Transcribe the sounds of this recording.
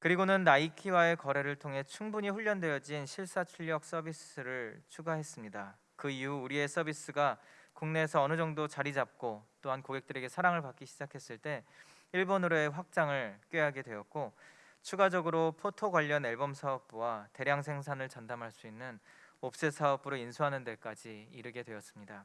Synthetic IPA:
kɯɾiɡonɯnːaikʰiwae̞kʌɾe̞ɾɯɭtʰoŋɦe̞t͡ɕʰuŋbuɲiɸuʎːʌndwe̞jʌd͡ʑinɕʰiɭs͈at͡ɕʰuɭʎːʌk̚s͈ʌbis͈ɯɾɯɭt͡ɕʰuɡaɦe̞s͈ɯmɲida | kɯiuːɾie̞s͈ʌbis͈ɯɡakuŋne̞ːsʰʌʌnɯd͡ʑʌŋdot͡ɕaɾid͡ʑap̚k͈ot͈oɦankoɡe̞k̚t͈ɯɾe̞ɡe̞sʰaɾaŋɯɭpak͈iɕʰid͡ʑakʰe̞s͈ɯɭt͈e̞ | iɭbonɯɾoe̞ɸwak̚t͡ɕ͈aŋɯɭk͈ɥeɦaɡe̞dwe̞jʌt̚k͈o | t͡ɕʰuɡad͡ʑʌɡɯɾopʰotʰoɡwaʎːʌne̞ɭbʌmsʰaʌp̚p͈uwate̞ɾjaŋsʰe̞ŋsʰanɯɭt͡ɕandamɦaɭs͈uinːɯnop̚s͈esʰaʌb͈ɯɾoinsʰuɦanɯnde̞k͈ad͡ʑiːɾɯɡe̞dwe̞jʌs͈ɯmɲida

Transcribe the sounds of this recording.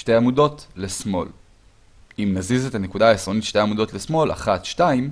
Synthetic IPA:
ʃte̞jamudo̞tlesmo̞̰l | imnazize̞tanekudaːisʁo̞nitʃte̞jamudo̞tle̞smo̞la̰χat̪ʃtaim

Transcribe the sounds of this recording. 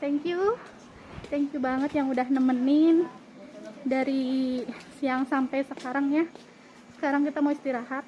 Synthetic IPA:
t̪ɛŋkju | t̪ɛŋkjubaŋət̪jaŋudahnəmənɪn | daɾi | jaŋsampajsəkaɾaŋja | sə̥kaɾaŋkit̪amawist̪iɾaɦat̪̚

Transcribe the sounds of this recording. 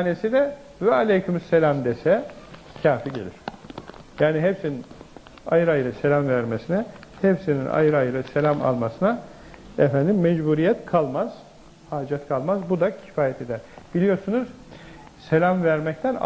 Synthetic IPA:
nesid̪ɛ | vɛalʲejcʰymyselʲamd̪esɛ | cʰaːfiɟe̞̰lʲḭɾ̥jaːniɦepsinin | a̰jɯɾajɾɯse̞lʲamvæɾmesinɛhɛpsinḭnʔa̰jɯɾɯajɾɯse̞lʲama̰lˠmasɯna | ɛfænd̪imːɛd͡ʒbuɾijɛt̪kʰalˠmaz̥ | haːd͡ʒat̪kʰalˠmazbud̪acʰi̥faːjɛt̪ʰe̞d̪æɾ̥b̥ilʲijo̞ɾsunuz̥ | se̞lʲamvæɾmɛc̚t̪ʰæn̰

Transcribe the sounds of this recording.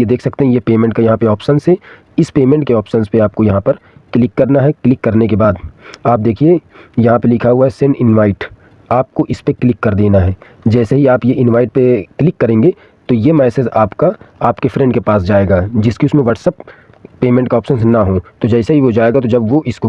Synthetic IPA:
jed̪eːkʰsɐk̚t̪eɦɛ̃jepeːmɛ̃ɳʈkajɐɦãpeɔːpʃənsɦɛ | ɪspeːmẽɳʈkeɔːpʃənspeaːp̚kojɐɦãpɐɾklɪkːɐɾnaɦɛklɪkːɐɾnekebaːd̪aːp̚d̪eːkʰiejɐɦãpelɪkʰaɦuaɦɛsɪnɪnʋaːɪʈ | aːp̚koʔɪspeklɪkːɐɾd̪eːnaɦɛː | d͡ʒɛːseɦiaːpjeɪ̃nʋaːɪʈ̚peklɪkːɐɾẽːŋɡe | t̪ojemɛːsezaːpkaaːpkefɾɛ̃ɳɖkepaːs̬d͡ʒaːeːɡaːd͡ʒɪskiʊsmẽʋɐʈsɐpː | eːmɛ̃ɳʈkaɔːpʃənsnɐɦot̪od͡ʒɛːsaɦiʋod͡ʒaːeːɡat̪od͡ʒɐbʋoʔɪsko

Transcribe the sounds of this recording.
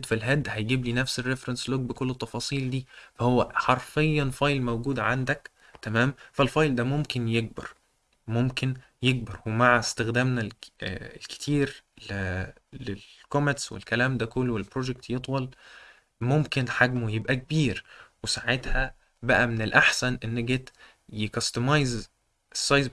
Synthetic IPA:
t̪filɦæd̪ːhæjɡiːbliːnæfserːefɾensloɡ̚bekolːet̪ˤːɑfɑːsˤiːld̪iːfæhowːæħɑɾˤfejːɑnfɑjlmæwɡuːd̪ʕand̪æk | t̪æmæːmfælfɑjld̪æmomkenjeɡ̚bɑ̰ɾˤ | momken | jeɡ̚bɑɾˤwemaʕest̪exd̪æːmnællke̥t̪ʰiːɾl | lel | komet̪swḛlkælæːmd̪ækolːwelbɾoːʒek̚t̪jet̪ˤwɑl | momkenħaɡmojebʔæk̚biːɾwesaʕet̪hæ | bæʔæmenelʔaħsænʔenːeɡet̪ | jekɑst̪omɑjz | esˤːɑjz

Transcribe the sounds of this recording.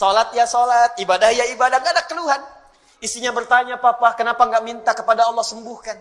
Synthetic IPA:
sɔlat̪̚jasɔlat̪̚ibadahjaibadaŋɡadakːəluɦan | isiɲabərt̪aɲapapakənapaŋɡaʔmint̪akəpadaɑlːɔhsəmbuhkan

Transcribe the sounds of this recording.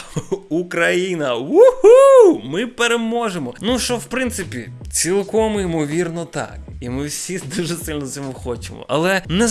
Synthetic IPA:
ukɾɐjinɐwuhumɪpeɾemɔʒemɔnuʃɔwpɾɪnt̪sɪpʲḭt͡sʲilˠkɔmimɔʋʲirnɔt̪ɑ̰k | imɪwsʲid̪uʒɛsɪlʲnɔzʲɔmʊxɔt͡ʃemɔ̰ʔɐlˠɛnɛ

